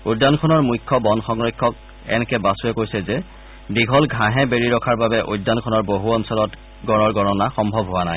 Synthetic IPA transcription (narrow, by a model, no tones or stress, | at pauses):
udːankʰɔnɔɹmujkʰːɔbɔnxɔŋɹikʰːɔk̚ | ɛ̰nɛkɛbasuɛkoɹjsɛzɛ | diɡʱɔlɡʱãɦɛbeɹiɹɔkʰaɹbabɛʔujdːankʰɔnɔɹboɦuɔnsɔlɔt | ɡɔɹɔɹɡɔɹɔnaxɔmbʱɔbɦoanaj